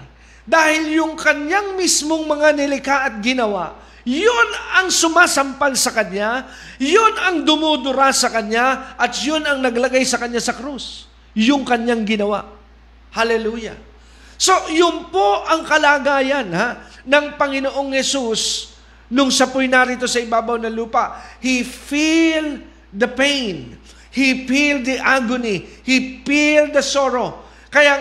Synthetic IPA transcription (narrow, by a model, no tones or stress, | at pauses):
d̪aːhɪljʊŋkɐnjaŋmismoŋmɐŋanɪlɪkaʔɐt̪̚ɡɪnɐwaʔ | jonɐŋsʊmaːsɐmpalsɐkɐnja | jʊnɐŋd̪ʊmuːd̪ʊɾasɐkɐɲjaʔɐt̪jʊnɐŋnɐɡlɐɡajsɐkɐɲːasɐkɾus | jʊŋkɐɲjaŋɡɪnɐwa̰ʔ | halɛluːja̰ | so̞jʊnpoʔɐŋkɐlaːɡaːjɐnhaː | ɐŋpɐŋɪnoʔo̞ŋhɛsus | nʊŋsɐpʊjnaɾiːt̪o̞sɐɪbaːbɐwnɐluːpɐʔhifil | d̪ɐpejn | hifild̪iʔaɡʊnihipild̪ɐso̞ɾo̞ | kɐja